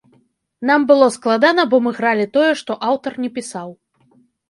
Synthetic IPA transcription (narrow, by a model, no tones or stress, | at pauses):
n̪ambɨlˠɔsklˠad̪anɐbɔmɨɣɾalʲit̪ɔjɛʂt̪ɔʔawt̪ɐrnʲɛpʲisaw